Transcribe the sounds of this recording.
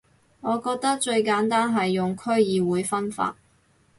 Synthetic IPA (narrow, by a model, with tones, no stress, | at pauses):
ŋɔː˨˧kɔː˧k̚t̪ɐ˥k̚t͡ʃɵ˧ɥkaː˨˥nt̪aː˥nɦɐ˨jːʊ˨ŋkʰɵ˥ɥjiː˨˧wuː˨˧jfɐ˥nfa̰ː˧t̚